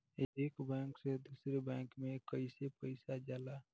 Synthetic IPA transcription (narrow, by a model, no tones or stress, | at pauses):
eekbɛ̃ksed̪usɾebɛ̃ŋkmekəɪsepəɪsad͡ʒala